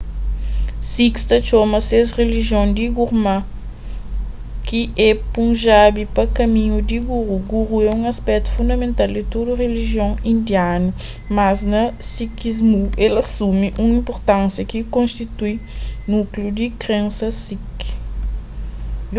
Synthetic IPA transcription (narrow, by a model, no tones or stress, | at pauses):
sikst̪ɐt͡ʃomɐsezreliʒjõnd̪iɡuɾma | kiʔɛpũʒabipɐkɐmĩɲud̪iɡuɾuɡuʁuɛũŋɐspɛk̚t̪u̥fũnd̪ɐmẽnt̪ald̪it̪od̪uʁeliʒjõŋĩnd̪janu | maznɐsikizmuelɐsumiʔũŋĩmpoɾt̪ãnsjɐkikõnst̪it̪ujnukljud̪ikɾẽnsɐsik